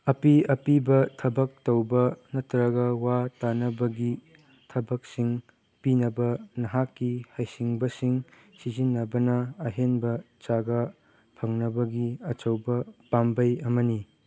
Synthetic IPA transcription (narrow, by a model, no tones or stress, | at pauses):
ɐpiɐpibɐtʰɐbɐk̚tɐwbɐnɐtɾɐɡɐwatanɐbɐɡi | tʰɐbɐk̚siŋ | pinɐbɐnɐɦakːihɐjsiŋbɐsiŋ | sizinːɐbɐnɐːɦenbɐ | t͡ʃaɡɐ | pʰɐŋnɐbɐɡiɐt͡ʃɐwbɐpambɐjɐmɐni